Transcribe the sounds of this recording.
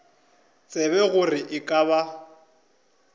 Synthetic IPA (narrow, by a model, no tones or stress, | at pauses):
t͡sʼɛβɛɣʊrɪʔɪkʼaβa